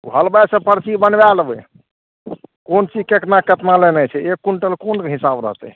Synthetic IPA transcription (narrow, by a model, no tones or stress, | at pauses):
ṵɦəlbasẽpəɾt͡ʃibənbɛlbɛ | kont͡ʃid͡ʒkeknakət̪nalenɛt͡ʃʰɛekːuɳʈəlkonɦisabɾə̰ɦt̪ɛ̰